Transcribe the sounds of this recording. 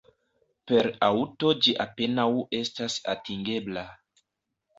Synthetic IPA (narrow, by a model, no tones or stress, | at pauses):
pe̞ɾawto̞d͡ʒiʔape̞nawe̞stasa̰tiŋɡe̞bla